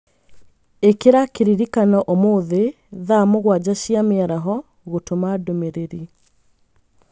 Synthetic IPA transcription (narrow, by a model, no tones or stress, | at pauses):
ekeɾakeɾiɾikanɔʔomoːðe | ðamoɣwad͡ʑaɕiameaɾaɦɔ | ɣotomadomeɾeɾi